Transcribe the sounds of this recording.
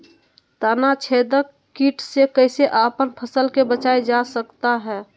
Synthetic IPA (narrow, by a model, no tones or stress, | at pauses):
t̪aːnat͡ʃʰeːd̪ə | kːiːʈsekəɪseʔaːpənpʰəsəlkebət͡ʃaːed͡ʒasəkt̪aɦɛː